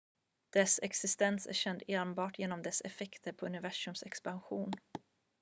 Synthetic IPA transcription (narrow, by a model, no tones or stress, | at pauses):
d̪̥ɛsɛ̰ksɪst̪ɛnsæ̰ɾɕɛnd̪eːnbɑːʈʰjeːnɔmd̪ɛsɛ̰fɛkt̪ʰəɾpʰɔɵnɪvæʂɵmsɛkspanɧuːn